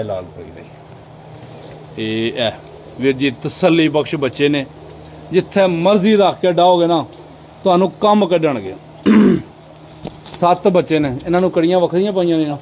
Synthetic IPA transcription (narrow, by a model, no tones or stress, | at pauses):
la̰ːlpəḭːɾə̰iː | eːɛː | ʋɪɾd͡ʒiːt̪əsəlːiːpəkʃbətːʃeːneː | d͡ʒɪt̪ʰːeːməɾziːɾəːkʰkeːɖaːoːɡeːnãː | t̪ʊɦaːnũːkəmkəɖəɳɡḛː | sət̪bətːʃeːneːɪnãːnũːkəɽɪjãːʋəkʰɾɪjãːpaːijãːnĩːnãː